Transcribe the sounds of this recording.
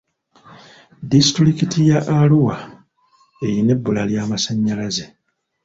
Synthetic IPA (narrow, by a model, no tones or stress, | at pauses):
disi̥tɾikitijaʔaluwa | e̞jine̞bːulaljaːmasaɲːalaze̞